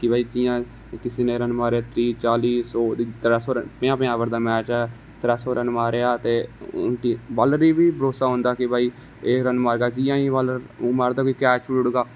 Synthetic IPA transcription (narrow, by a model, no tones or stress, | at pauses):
kɪbaːiːd͡ʒɪjãː | kɪseːnẽːɾənmaːɾeaːt̪ɾiːt͡ʃaːliːsoːd̪t̪ɾasoːɾəpɪ̃ãːpɪãːʋəɾd̪aːmɛːt͡ʃɛː | t̪əɾaːsoːɾənmaːɾejaːt̪eːʊ̰nt̪iːʋalɾiːbiːbəɾoːsaːɦõːnd̪aːkɪbaːiː | eːɾənmaːɾɡaːd͡ʒɪːjãːiːʋəlɾmaːɾd̪aːkoiːkɛːt͡ʃʊlɽɡaː